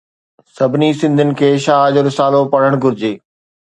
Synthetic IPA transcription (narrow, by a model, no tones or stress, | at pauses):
sɐbʱɪnisɪ̃nd̪ʱʊnɪ̆kʰeːʃaːɦd͡ʑoːɾɪsaːlopɐɽəɽ̃ɡʱʊɾɪd͡ʑeː